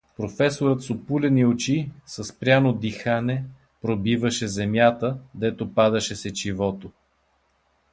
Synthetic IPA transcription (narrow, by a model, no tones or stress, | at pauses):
pɾofɛsoɾət̪sopulʲɛniot͡ʃisəspɾʲanod̪ixanɛ | pɾobivəʃɛzɛmjat̪əd̪ɛt̪opad̪ɐʃɛsɛt͡ʃivɔt̪o